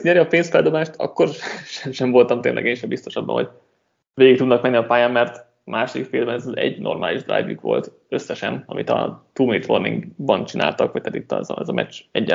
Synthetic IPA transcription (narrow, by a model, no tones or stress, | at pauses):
ɲɛɾjiɒpeːnst̪fɛld̪o̞baːʃt̪ɒ̰kːo̞rʃɛmʃɛɱvo̞lt̪ɒmt̪eːnʔɛ̰ɡeːnʃɛmbist̪oʃɒbːɒ̰nɦo̞̰ɟ | veːɡik̚t̪ud̪nɒkmɛnːiɒpaːjaːmːɛrt̪ | mʔaːʃod̪ikfilmbɛnɛzɒzɛ̰ɟno̞̰rmʔaːliʒd̪ra̰ːjvjy̰kʋo̞̰lt̪ | ø̞sːɛʃɛnɒ̰mit̪ɒ̰t̪uːmiːt̪ʋornḭŋɡbɒnt͡ʃina̰ːlt̪ɒkʋɒc̚t̪ɛːt̪it̪ːɒ̰zɒɛzɒmɛ̰t͡ʃɛɟːɛ